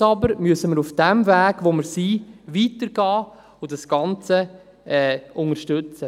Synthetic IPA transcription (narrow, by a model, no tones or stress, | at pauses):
ɑbəɾmyəsəməɾufd̥ɛmvæːɡ̥ʋoməɾsiːʋiːtəɾɡɑː | ʊdɑsɡ̥ɑnt͡sə | ɛːʔʊŋəɾʃtøt͡sə